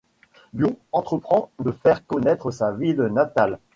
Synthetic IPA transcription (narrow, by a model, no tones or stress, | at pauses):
bjoɑ̃t̪χəpχɑ̃d̪əfɛʁkɔnɛt̪χəsavilnat̪al